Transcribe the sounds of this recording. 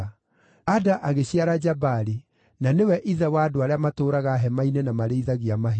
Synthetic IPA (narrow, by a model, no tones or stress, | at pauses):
adaʔaɣeɕiaɾad͡ʒabaɾi | nanewɛʔiðɛwadoaɾeamatoːɾaɣaɦɛmainenamaɾeiðaɣiamaɦ